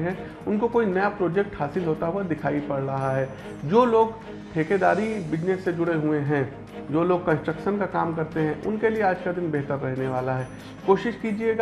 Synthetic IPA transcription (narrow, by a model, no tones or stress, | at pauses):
ɦɛ̃ | ʊnkokoːinɐjapɾoːd͡ʒɛk̚ʈhaːsɪlɦoːt̪aɦuad̪ɪkʰaːipɐɽɾɐɦaɦɛː | d͡ʒoːloːɡ | ʈʰeːked̪aːɾibɪd͡ʒnesːed͡ʒʊɽeɦueɦɛ̃ | d͡ʒoːloːɡ̚kɐ̃nsʈɾəkʃənkakaːmkɐɾt̪eɦɛ̃ʔʊ̰nkelieaːd͡ʒkad̪ɪnbɛɦt̪əɾːɛɦneʋaːlaɦɛː | koːʃɪʃkiːd͡ʒieɡa